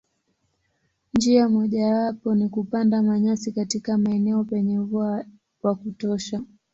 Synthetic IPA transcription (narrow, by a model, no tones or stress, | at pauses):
nd͡ʒiamɔʄawapɔnikupandamaɲasikatikamaɛnɛɔpɛɲɛvua | wakutɔʃa